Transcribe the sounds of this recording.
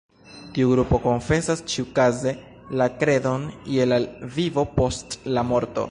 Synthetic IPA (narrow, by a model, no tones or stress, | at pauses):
tiuɡɾupo̞ko̞ɱfe̞sast͡ʃiukaze̞ | lakɾe̞do̞nḭelalvivo̞po̞stlamo̞ɾto̞̰